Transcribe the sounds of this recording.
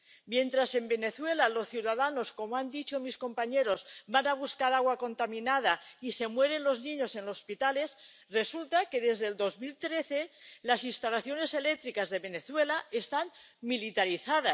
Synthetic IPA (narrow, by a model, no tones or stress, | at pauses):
mjẽ̞nt̪ɾase̞mbe̞ne̞θwe̞lalo̞sθjuwðaðano̞sko̞moand̪it͡ʃo̞misko̞mpaɲe̞ɾo̞zbanaβ̞uskaɾaɣwako̞nt̪amĩnað̞aise̞mwe̞ɾe̞nlo̞znĩɲo̞se̞nlo̞spit̪ale̞s | re̞sult̪ake̞ðe̞zðeld̪o̞zmilt̪ɾe̞θe̞lasinst̪alaθjo̞ne̞se̞le̞k̚t̪ɾikazðe̞βe̞ne̞θwe̞laest̪anmilit̪aɾiθaðas